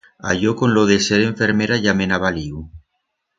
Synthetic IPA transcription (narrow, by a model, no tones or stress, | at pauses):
aʎokonloðeseɾe̞ɱfeɾmeɾaʝamenaβaliw